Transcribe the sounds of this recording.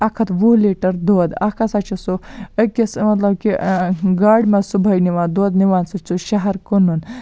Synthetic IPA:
ɐkʰɐt̪ʋuɦliʈɐɾd̪oːd̪ɐkʰɐsat͡ʃʰisuəkʲismɐt̪lɐb̚kiɡaːɖʲmɐsubʱɐjniʋaːnd̪oːd̪niʋaːnsɨt͡suʃɐɦɐɾkunun

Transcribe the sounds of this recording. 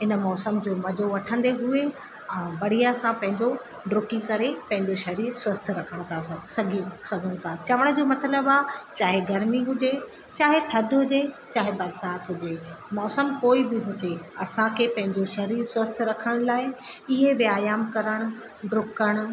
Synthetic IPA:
ɪnmɔːsəmd͡ʑoːmɐd͡ʑʱoʋɐʈʰə̃nd̪eɦʊe | ɛ̃ːbɐɽ̤ijasãpɐ̃ɦɪ̃ɲd͡ʑo | ɖɾʊkikɐɾepɐ̃ɦɪ̃ɲd͡ʑoʃɐɾiːɾswɐst̪ʰɾɐkʰəɽ̃ʊt̪ʰasɐɡʱĩsɐɡʱəɽ̃ʊ̃t̪ʰat͡ɕɐʋəɽ̃ʊd͡ʑoːmɐt̪ləbaːt͡ɕaːɦeɡɐɾmiɦʊd͡ʑe | t͡ɕaːɦet̪ʰɐd̪ʱɦʊd͡ʑe | t͡ɕaːɦebɐɾsaːt̪ɦʊd͡ʑemɔːsəmkoːibɪɦʊd͡ʑeɐsãkʰepɐ̃ɦɪ̃ɲd͡ʑoʃɐɾiːɾswɐst̪ʰɾɐkʰəɽ̃laːɪ | ɪɦebɪaːjaːmkɐɾəɽ̃ʊ̆ | ɖɾʊkəɽ̃ʊ̆

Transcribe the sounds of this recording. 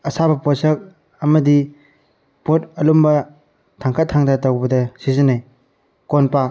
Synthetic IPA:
ɐsabɐpot̚sɐk̚ | ɐmɐdi | potɐlumbɐ | tʰaŋkʰɐt̚ʰːaŋdatawbɐdɐsizɐnaj | konpa

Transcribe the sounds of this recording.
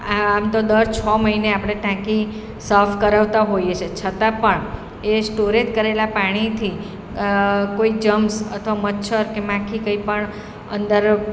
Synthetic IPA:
amt̪od̪əɾt͡ʃʰɔməɦineapɽ̃eʈãki | səfʰkəɾaʋt̪aɦojet͡ʃʰet͡ʃʰət̪ãpəɳ | esʈoɾet̪kəɾelapaɽ̃it̪ʰi | koikd͡ʒəmsə̰t̪ʰəʋamətːʃʰəɾkemãkʰikəipəɳ | ənd̪əɾ

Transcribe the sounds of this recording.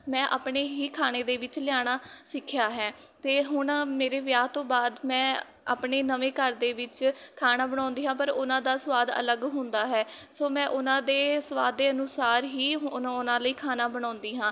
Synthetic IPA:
mɛ̃ːʔa̰ːpɳeːɦiːkʰaːñeːd̪eːʋɪt͡ʃlɪjaːɽ̃aːsɪkʰjaːɦɛːt̪eːɦʊɳmeːɾeːʋjaːt̪õːbaːd̪mɛ̃ː | a̰ːpɳeːnəʋeːkəɾd̪eːʋɪt͡ʃkʰaːnaːbəɽ̃ãːnd̪iːɦãːpəɾʊnãːd̪aːsʋaːd̪ə̰ləɡɦʊ̃nd̪aːɦɛːsoːmɛ̃ːʔʊnãːd̪eːsəʋaːd̪ːeːənuːsaːɾɦiːɦnãʊnãːləiːkʰaːnaːbəɽ̃ãːʊnd̪iːɦãː

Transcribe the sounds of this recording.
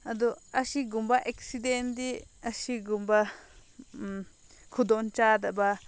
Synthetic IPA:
ad̪uaʃiɡumbaʔeksid̪end̪iaʃiɡumba | kʰud̪ont͡ʃad̪̬aba

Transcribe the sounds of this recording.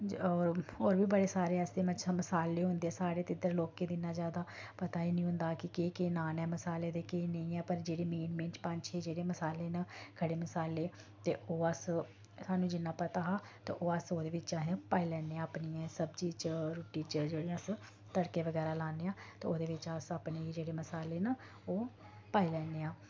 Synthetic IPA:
ɔːɾɦoːɾbiːbəɽeːsaːɾeːəsd̪eːmət͡ʃʰaːməsaːleːɦʊ̃nd̪eɛːsaːɽeːt̪ɪd̪əɾloːkːeːd̪ɪnaːd͡ʒjaːd̪aːpət̪aːiːnĩːɦʊ̃nd̪aːkɪkeːkeːnaːnɛːməsaːleːd̪eːkeːnəĩːɛːpəɾd͡ʒeːɽeːmeːnmẽːnt͡ʃpãɲt͡ʃʰeːd͡ʒeːɽeːməsaːleːnaːkʰəɽeːməsaːleː | t̪eːʔoːəs | saːnũːd͡ʒɪnːãːpət̪aːɦaː | t̪ḛːʔoːəsoːd̪eːʋɪt͡ʃaːɦẽpaːiːlɛːneːãːpniːɛ̃ːsəbd͡ʒiːt͡ʃəɾuːʈiːt͡ʃd͡ʒeːɽiãs | t̪əɽkeːʋəɡɛːɾaːlaːneːãːt̪eːoːd̪eːʋɪt͡ʃəsaːpneːd͡ʒeːɽeːməsaːleːnə | oː | paːiːlɛːneːaː

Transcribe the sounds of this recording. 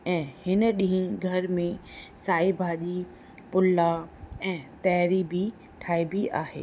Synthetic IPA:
ɛ̃ːhɪnɗĩɦĩɡʱɐɾmẽsaːibʱaːʄi | pʊlːaɛ̃ːt̪ɛːɾibʱi | ʈʰaːibʱiʔa̰ːɦḛː

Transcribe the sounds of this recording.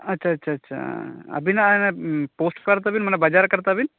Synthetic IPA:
ɐtːʃʰaɐtːɕʰaːtːʃʰa̰ɐ̰binɐnepoːsʈkɐɾt̪̬aːbinmɐnːɐbɐd͡ʒaːɾkɐɾt̪aːbin

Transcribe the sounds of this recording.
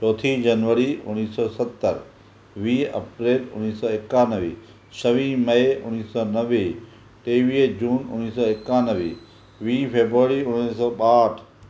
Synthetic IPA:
t͡ʃɔːt̪ʰid͡ʒɐnʋəɾiʊ̰nːiːsɔːsɐt̪ːə̰ɾ | ʋiːɐ̰pɾeːlʊ̰niːsɔːɪkːãːnəʋḭː | ʃɐʋĩmɐeʊniːsɔnɐʋe | ʈeːʋiːd͡ʑuːnʊ̰niːsɔɪkːãːnəʋḭ | ʋiːpʰeːbɾuəɾiʊniːsɔːɓaːʈʰ

